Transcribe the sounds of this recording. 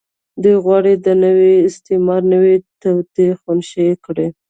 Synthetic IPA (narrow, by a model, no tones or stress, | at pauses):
d̪ujɣwɑɽed̪ənəweɪst̪ɪmɑɾnəwet̪awt̪exʊnʃekɽe